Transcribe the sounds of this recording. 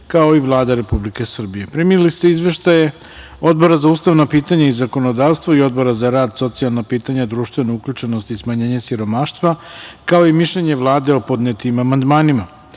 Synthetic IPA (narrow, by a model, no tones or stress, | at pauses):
kao̞iʋlˠaːd̪aɾe̞publike̞sr̩bije̞pɾimiilist̪e̞izʋe̞ʃt̪aje | o̞d̪̚bo̞ɾazauːst̪aʋnapiːt̪aɲaizako̞no̞d̪aːʋst̪voio̞d̪̚bo̞ɾazaɾaːd̪so̞t̪sijalˠnapiːt̪aɲad̪ɾuːʃt̪ʋe̞nouklʎut͡ʃeno̞st̪ismaɲeːɲesiɾo̞maːʃt̪ʋakao̞imiʃʎeɲeʋlˠaːd̪e̞o̞po̞d̪net̪imamand̪maːnima